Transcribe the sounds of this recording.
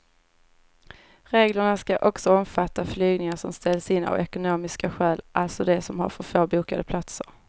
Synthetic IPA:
ɾeːɡləɳaskaʔɔksɔɔmfat̪ʰːaflyːɡnɪŋaʂɔmst̪ɛlsɪnːa̰vɛkʊnoːmɪskaɧɛːlʔalt̪sɔd̪ɛsɔmha̰ɾfœføːɾbuːkad̪əpʰlat̪səɾ

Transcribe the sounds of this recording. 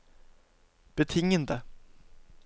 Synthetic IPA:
b̥ət̪ʰɪŋːənd̪ə

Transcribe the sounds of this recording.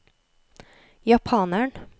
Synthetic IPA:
jɑpʰɑːnæɳ

